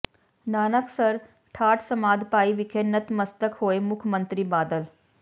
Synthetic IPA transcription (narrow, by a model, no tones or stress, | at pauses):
naːnəksɐɾ | ʈʰaːʈʰsɐmaːd̪paːiʋɪkʰeːnət̪məst̪əkhoːemʊkʰmə̃nt̪ɾibaːd̪əl